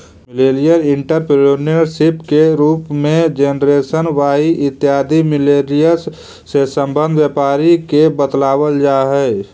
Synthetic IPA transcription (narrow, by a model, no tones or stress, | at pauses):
mɪleːɾijəɾɪ̃ɳʈəɾpɪlunijəɾsɪpkeɾuːpmẽd͡ʒeːnɾeːsənʋaːiʔɪt̪ːjaːd̪ʱimɪleːɾijəɾs | sesə̃mbə̃nd̪ʱʋjeːpaːɾikebət̪laːwəld͡ʒaːɦɛː